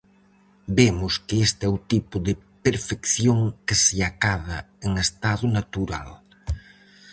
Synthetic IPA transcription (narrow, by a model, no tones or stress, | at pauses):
bemʊskɪest̪ɛʊt̪ipʊðɪpeɾfekθjoŋkɪsɪakaðɐ | eŋest̪aðʊnat̪uɾa̰l